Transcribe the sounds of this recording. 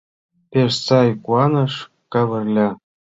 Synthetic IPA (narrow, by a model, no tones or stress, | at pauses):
pʲeʃsɑjkuɑnɤ̆ʂ | kɑβɤ̆rʲlʲɑ